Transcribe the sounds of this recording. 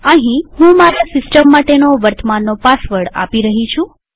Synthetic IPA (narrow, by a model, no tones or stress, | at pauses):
əɦĩhũmaɾasɪsʈəmːaʈenoʋəɾt̪əmanːopasʋəɽa̰piɾəɦit͡ʃʰũ